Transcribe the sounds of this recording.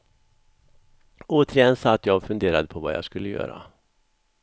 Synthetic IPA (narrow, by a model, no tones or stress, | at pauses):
oːt̪əɾɪjɛnsat̪ːjɑːɡfɵnd̪eːɾad̪əpʰɔva̰jɑ̰ːskɵlːəjœ̰ːɾa̰